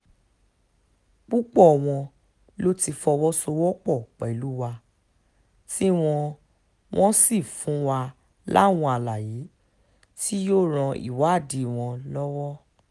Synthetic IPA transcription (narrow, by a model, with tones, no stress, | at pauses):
k͡pu˦k͡pɔ˦˨w̃ɔ̃˧ | lo˦ti˧fɔ˧wɔ˦so˧wɔ˦k͡pɔ˦˨k͡pɛ˨lu˦wa˧ | ti˦w̃ɔ̃˧ | w̃ʔɔ̃˦si˦˨fũ˨˦wa˧ | la̰˦˨w̃ɔ̃˧a˨la˨je˨˦ | ti˦jo˦ɾ̃ã˧ḭ˨wa˨˦a˦˨di˨w̃ɔ̃˧lɔ˦wɔ˦